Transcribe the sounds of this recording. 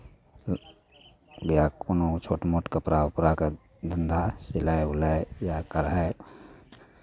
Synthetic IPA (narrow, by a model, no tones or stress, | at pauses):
ɡjakonot͡ʃʰoːʈmoːʈkəpɾaʊpɾaka | d̪ʱənd̪ʱasɪlaeʊlaejakəɾae